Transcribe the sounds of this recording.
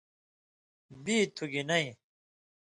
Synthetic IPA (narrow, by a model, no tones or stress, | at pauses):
biːt̪ʰuɡinɐĩ